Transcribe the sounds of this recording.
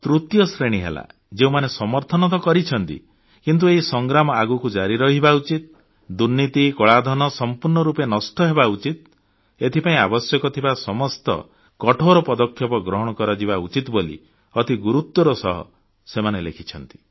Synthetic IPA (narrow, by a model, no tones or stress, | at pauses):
t̪ɾut̪jɔsɾeɽ̃iɦḛla̰ | d͡ʒeũmanesɔmɔɾt̪ʰɔnɔt̪̬ɔkɔɾit͡ʃʰɔnt̪ḭ | kint̪̬ueɦisɔŋɡɾamɔaɡukud͡ʒaɾiɾɔɦibaut͡ʃit̪̚ | d̪uɾnːit̪ikɔɭad̪ʱɔnɔsɔmpuɾnɔɾupenɔsʈɔɦebaut͡ʃit̪ | et̪ʰipaĩabɔsjɔkɔt̪ʰibasɔmɔst̪ɔ̰ | kɔʈʰoɾɔpɔd̪ɔkʰːjɔpɔɡɾɔɦɔɽ̃ɔkɔɾɔd͡ʒiβaut͡ʃit̪bolḭ | ɔt̪ʰiɡuɾut̪ːwɔɾɔsɔɦɔ̰ | semanelḛkʰit͡ʃʰɔnt̪i̥